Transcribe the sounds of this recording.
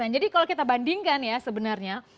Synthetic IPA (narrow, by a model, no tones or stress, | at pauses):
and͡ʒadikalokit̪abandɪŋkanjasəbənarɲa